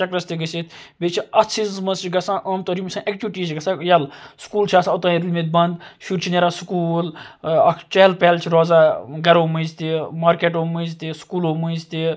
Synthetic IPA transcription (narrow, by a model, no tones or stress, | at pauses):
ɐkɾɐst̪iɡəsit̪ʰbet͡ʃʰiɐt͡sʰizzmɐst͡ʃʰiɡɐsãːʔɐːmt̪oɾimsãːʔek̚t͡ʃʲuʋʈiːsɡɐsãkjɐlskuːlt͡ʃʰiaːsaɐt̪ãːiɾlmit̪̚ʲbɐnd̪ʃuɾt͡ʃʰineɾaːskuːlɐkʰt͡ʃeːlpeːlt͡ʃʰiɾɔːzaːɡɐɾoːmɨzt̪imaːɾkeːʈoːmɨzt̪iskuːloːmɨzt̪i